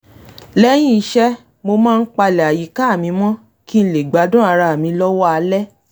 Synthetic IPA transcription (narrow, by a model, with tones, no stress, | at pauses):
lɛ˦j̃ĩ˦i˦ʃɛ˦ | mo˧mãː˦˧n̩˦k͡pa˧lɛ˨a˨ji˨˦ka˦˨mĩ˧mɔ̃˦ | ki˦n̩˦le˨ɡ͡ba˨˦dũ˦a˧ɾa˧a˨mĩ˨˧˦lɔ˦wɔ˦a˧lɛ˦